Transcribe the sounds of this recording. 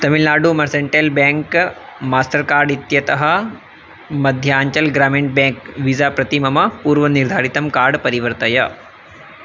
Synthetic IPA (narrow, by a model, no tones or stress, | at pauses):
t̪ɐmilnaːɖumɐɾseɳʈelbẽːŋkmaːsʈɐɾkaːɾɖit̪jɐt̪ɐɦɐ̆ | mɐd̪ʱjaːɲt͡ʃɐlɡɾaːmeɳʈ̚bẽːŋkʋizaːpɾɐt̪imɐmɐpuːɾʋɐniɾd̪ʱaːɾit̪ɐmkaːɾɖpɐɾiʋɐɾt̪ɐjɐ